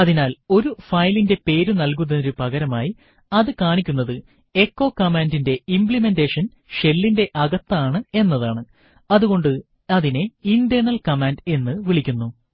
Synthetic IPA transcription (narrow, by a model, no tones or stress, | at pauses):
ɐðinaːlo̞ɾufɐjlinde̞pe̞ːɾunɐlk̬unːɐðɾupɐɣɐɾɐmaːji | ɐðɨkaːɳikʲːunːɐðɨ | e̞kːo̞ːkɐmaːndinde̞impɭime̞nde̞ːʂɐn | ʂe̞lːinde̞ʔɐɣɐt̪ːɐaːɳɨe̞nːɐðaːɳɨ | ɐðuɣo̞ɳɖɨ | ɐðine̞indɐnɐlkɐmaːnde̞nːɨʋiɭikʲːunːu